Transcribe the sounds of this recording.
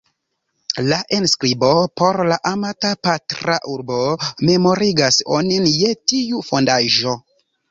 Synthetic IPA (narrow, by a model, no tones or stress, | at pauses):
laʔenskɾibo̞po̞ɾlaʔamatapatɾa̰ʔuɾbome̞mo̞ɾiɡaso̰ninjetiufo̞ndaʒo̞